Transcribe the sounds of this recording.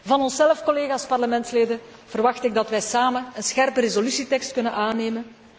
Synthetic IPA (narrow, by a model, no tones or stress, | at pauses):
vɑnɔnsɛləfkoleːɣaːspɑrləmɛntsleːdə | v̥ərʋɑxtɪɡ̚dɑtʋɛjsaːmənənsxɛrpəɾezolysitɛkstkɵnənʔaːneːmən